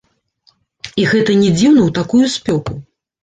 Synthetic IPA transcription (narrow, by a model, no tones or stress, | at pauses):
iɣɛt̪ɐnʲɛd͡zʲiwnɐwt̪akujusʲpʲɔku